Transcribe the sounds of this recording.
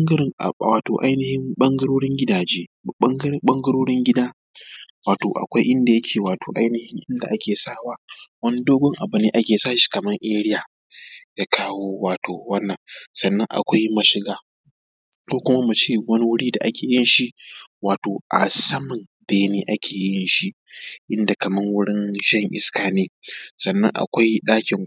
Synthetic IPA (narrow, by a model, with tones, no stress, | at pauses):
ŋɡ̰waː˨toː˨ʔa˦jnɪ˦hɪ˦mɓɐ˦ŋɡɐ˦ɾoː˦ɽɪ˦ŋɡʲɪ˦daː˨d͡ʒeː˦ŋɡɓɐ˦ŋɡɐ˦ɾoː˦ɽɪ˦ŋɡʲɪ˦daː˦ | waː˨toː˨ʔa̰˨kʷa˦jʔɪ˦nda˨jɐ˦kʲʰeː˨waː˨toː˨ʔa˦jnɪ˦hɪ˦ŋʔɪ˦nda˨ʔa˦kʲʰeː˨saː˦waː˦wɐ˦ni˦doː˦ɡʷɔ˦ŋʔa˨bʊ˦neː˨ʔa˦kʲeː˨saː˦ʃi̥˦kɐ˨mɐ˦ŋʔeː˦ɽɪ˦jaː˨ | jaː˦kʰaː˦woː˦waː˨tʰoː˨wɐ˦nːɐ˨ŋsɐ˨nːɐ˦ŋʔa̰˨kʷa˦jmɐ˨ʃɪ˦ɡaː˦ | kʷoː˦kʷʊ˦ma˦mu˨t͡ʃeː˦˨wɐ˦ni˦wʊ˦ɽiː˦da̰˨ʔa˦kʲeː˨jɪ˦nʃi˦ʔwaː˨toː˨ʔa̰˨sɐ˦mɐ˨n | beː˨neː˦ʔa˦kʲʰeː˨jɪ˦nʃi˦ | ʔɪ˦nda˨kɐ˨mɐ˦ŋwʊ˦ɽɪ˦nʃɐ˦ŋʔɪ̰˦skaː˨neː˦sɐ˨nːɐ̰˦ŋʔa̰˨kʷa˦jɗaː˦kʲɪ˨ŋ